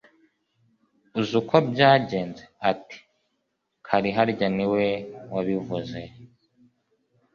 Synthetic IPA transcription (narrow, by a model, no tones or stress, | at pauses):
uzukʰobɟaːɟe̞ːnzeati̥ | kʰaɾiɦaɾɟaniwewaβivuze